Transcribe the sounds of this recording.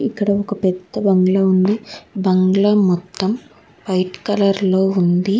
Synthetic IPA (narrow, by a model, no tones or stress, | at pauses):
ikːɐɽɐɔkɐpɛd̪ːɐbɐŋɡlɐund̪ibɐŋɡɭɐmɔt̪ːɐm | pɐjʈkɐlɐɾlo̞ːund̪i